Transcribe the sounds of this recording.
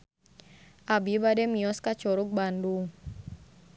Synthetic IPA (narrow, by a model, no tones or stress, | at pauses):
ʔabibadɛmiɔskat͡ʃɔɾuk̚bandu